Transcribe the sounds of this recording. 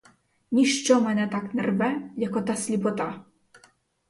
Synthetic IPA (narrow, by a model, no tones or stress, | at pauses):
nʲiʂt͡ʃɔmɛnʲɛt̪aknʲɛrbɛjakɔt̪asʲlʲipɔt̪a